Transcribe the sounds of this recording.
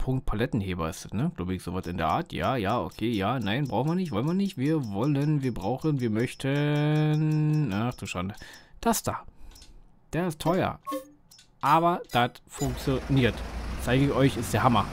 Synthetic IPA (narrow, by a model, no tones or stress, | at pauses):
pʰʊŋkt̚pʰalɛtn̩heːbɐɪstd̥atnəɡ̥laʊbəɪçz̥oːvasɪndeːɐʔa̰ːɐtʰja̰ːjaːʔo̰kʰeːjaːnaɪnbʁaʊxn̩viɐnɪçtv̥ɔlənviːɐnɪçtviːɐvɔlənviːɐbʁaʊxənviːɐmœçtʰənʔaχtuːʃandəd̥asd̥aː | d̥eːɐɪstʰɔʏɐ̰ | ʔaːbɐd̥atfʊŋk̚t͡sjoniːɐtt͡saɪɡəɪçɔʏçɪstd̥eːɐɦamɐ